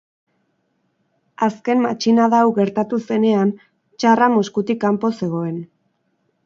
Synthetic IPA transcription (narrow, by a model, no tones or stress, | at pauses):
aske̞mmat͡ʃinaðawɣe̞ɾt̪at̪use̞ne̞an | t͡ʃaramoskut̪ikːampo̞se̞ɣ̞o̞e̞n